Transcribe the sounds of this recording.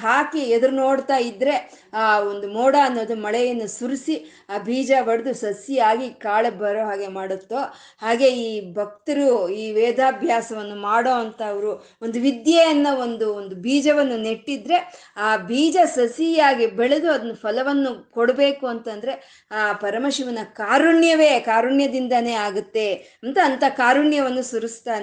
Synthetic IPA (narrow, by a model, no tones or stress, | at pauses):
ɦaːkeɛd̪ɐɾuno̞ːɽt̪aːjid̪ːɾe̞ | aːond̪umoːɽaːnːoːd̪umɐɭɛjɐnːusuɾisi | aːbʱiːd͡ʒaʋɐɽd̪usɐsjijaːɡikaːɭebɐɾoːɦaːɡe̞maːɽut̪ːo | haːɡe̞iːbʱɐk̚t̪ɐɾuiːʋɛːd̪ʱaːbʱjaːsɐʋɐnːumaːɽoːɐnt̪ɐːʋɐɾu | ond̪uʋid̪jejɐnːɐo̞nd̪uond̪ubʱiːd͡ʒɐʋɐnːuneʈːid̪ɾe̞ | aːbʱiːd͡ʒɐsɐsjijaːɡibeɭed̪uɐd̪ɐnːupʰɐlɐʋɐnːukoɽɐbe̞ːkuɐnt̪ɐnd̪ɐɾe̞ | aːpɐɾɐmɐʃiʋɐnːɐkaːɾuɳjɐʋe̞ːkaːɾuɳjɐd̪ind̪ɐneːaːɡut̪ːe̞ | ɐnt̪ɐːnt̪ɐkaːɾuɳjɐʋɐnːusuɾust̪aːne